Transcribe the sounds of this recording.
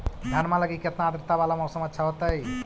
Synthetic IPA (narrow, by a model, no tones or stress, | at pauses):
d̪ʱanmaːlɐɡikjɐt̪naːd̪ɾt̪aʋaːlamɐwsɐmɐtːʃʰaɦot̪ɐj